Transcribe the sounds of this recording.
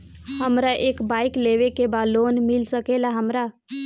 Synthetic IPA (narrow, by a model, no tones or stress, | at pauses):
həmɾaʔeːkbaːɪkleːʋekebaːd̪loːnmɪlsəkelaɦəmɾa